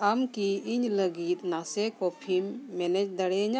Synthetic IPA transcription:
amkiiɲləɡit̪̚nasekɔpʰimːɛnɛd͡ʒd̪əɽɛɲa

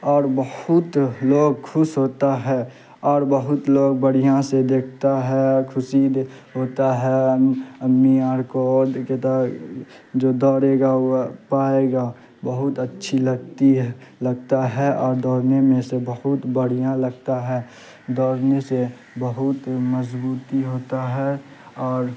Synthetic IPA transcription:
ɔːɾbəhʊt̪loːɡ̚kʰʊsɦoːt̪aɦɛ | ɔːɾbəɦʊt̪loːɡ̚bəɽ̤ijãsed̪eːkʰt̪aɦɛkʰʊsid̪ | ɦoːt̪aɦɛəmːiaːɾkod̪ket̪a | d͡ʒoːd̪ɔːɾeːɡapaːeɡa | bəɦʊt̪ətːʃʰiləɡt̪iləɡ̚t̪aɦɛʔɔːɾd̪ɔːɾnemẽsebəɦʊt̪bəɽ̤ijãləɡ̚t̪aɦɛː | d̪ɔːɾnese | bəɦʊt̪məzbuːt̪iɦoːt̪aɦɛ | ɔːɾ

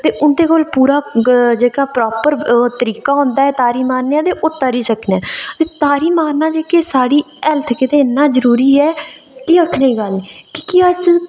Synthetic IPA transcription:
t̪eːʔʊnd̪eːkoːlpuːɾaːd͡ʒeːkaːpɾɔːpəɾt̪əɾiːkaːɦõːnd̪aːɛːt̪aːɾiːmaːneãːd̪eːʔʊt̪ːaːɾiːsəknɛ̃ːt̪eːt̪aːɾiːmaːɾnaːd͡ʒeːkeːsaːɽiː | ɛlt̪ʰkɪt̪eːnãːzəɾuːɾiːɛː | kiəkʰːneiːɡəlniːkɪ̥kiəs

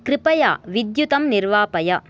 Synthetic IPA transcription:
kɾɪpɐja̰ːʋɪd̪jut̪ɐmnɪɾʋaːpɐjɐ

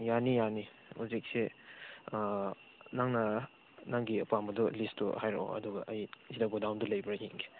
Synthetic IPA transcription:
janijani | huzik̚se | naŋnɐ | naŋɡiɐpuamɐdɔlistṵhajɾ̰o̰ɐ̰duɡɐʔɐjzidaɡɔdawndulɐjbɐɾajiŋɡe̥

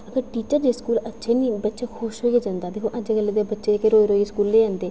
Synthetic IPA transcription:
əɡəɾʈiːt͡ʃəɾd͡ʒeːskuːlətːʃʰeːniːbətːʃeːkʰʊʃɦoːiad͡ʒãːnd̪aːd̪eːkʰoːʔəd͡ʒeɡəlːeːd̪eːbətːʃeːkeɾoːiɾoːiskuːlːeːãːnd̪eː

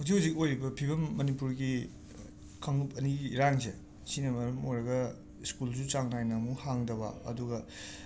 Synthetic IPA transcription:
huzikhuzik̚ojɾibɐpʰibɐmːɐnipuɾɡi | kʰɐŋupɐniɾaŋze | sinɐmɐɾɐmojɾɐɡɐ | iskulzut͡ʃaŋnajnamuhaŋdɐβɐ̰ɐ̰duɡɐ

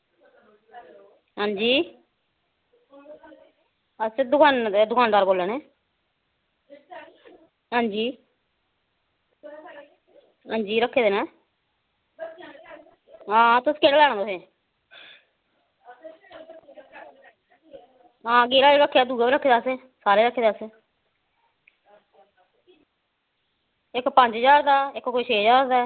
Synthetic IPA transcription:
ɦãːɲd͡ʒiː | əsed̪ʊkʰaːnd̪ʊkʰaːnd̪aːɾboːlːɛːneː | ɦãːɲd͡ʒiː | ɦãːɲd͡ʒiːɾəkʰːeːd̪eːnɛ̃ː | ɦãːt̪ʊskeɽlɛːɽ̃ːd̪aosẽː | ɦãːɡeːɾaːeɾəkʰːeːaːd̪uːɡaːbiːɾəkʰːeːd̪aːsẽː | saːɾeːɾəkʰːeːd̪aːsẽː | ɪkpəɲd͡ʒd͡ʒaːɾd̪aːɪkkoiːt͡ʃʰeːd͡ʒaːɾd̪aː

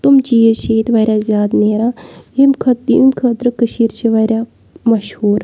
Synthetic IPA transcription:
t̪umt͡ʃiːəʃeːt̪ʋɐɾʲjazʲjaːd̪neːɾaːimkʰɐt̪ːḭmkʰət̪ɾəkəʃiːɾt͡ʃʰiʋɐɾʲja | mɐʃhuːɾ

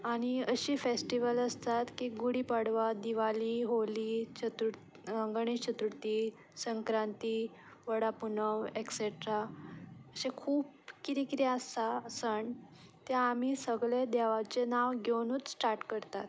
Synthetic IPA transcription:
aɽ̃iəɕiːfesʈiʋələst̪at̪kiːɡuɽipaɽʋad̪iʋaliɦolit͡ɕət̪u | əŋɡɳ̃iɕʰət̪ɾuɽt̪iː | səŋkɾant̪iː | ʋəɽapunəʋekseʈɾa | əɕekʰuːpkiɾikɾjasasəɳt̪jaːm̤isəɡɭed̪ɛʋat͡ɕenaʋɡʱewnuːt͡ssʈaɾʈkəɾt̪at̪

